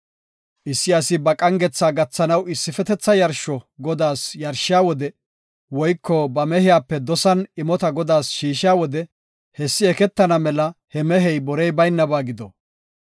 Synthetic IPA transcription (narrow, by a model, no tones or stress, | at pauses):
ʔɪsːɪɐsɪbɐkʼɐŋɡɛt͡sːaːɡɐt͡sːɐnɐwɪsːɪfɛt̪ɛt͡sːɐjɐɾʃɔɡɔd̪aːsjɐɾʃɪjaːwɔd̪ɛ | wɔjkːɔbɐmɛhɪjaːpːɛd̪ɔsɐnɪmɔt̪ɐɡɔd̪aːsʃiːʃɪjaːwɔd̪ɛ | hɛsːɪɛkɛt̪ːɐnɐmɛlɐhɛmɛɦɛjbɔɾɛjbɐjnːɐbaːɡɪd̪ɔ